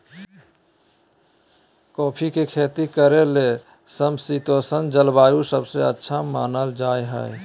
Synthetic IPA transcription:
kɔːpʰikekʰeːt̪ikəɾele | səmsit̪oːsənd͡ʒəlbaːjusəbseətːʃʰama̰ːnəld͡ʒaːeɦə̰e

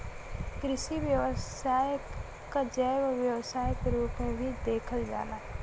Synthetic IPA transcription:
kɾɪʃiʋjəwəs | aːj | kad͡ʒəːʋʋjəwsaːjkɾuːpmẽbʱid̪eːkʰəld͡ʒa̰ːlaː

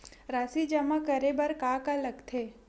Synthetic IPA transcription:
ɾaːsid͡ʒəmakəɾebɐɾkakaləɡt̪ʰeː

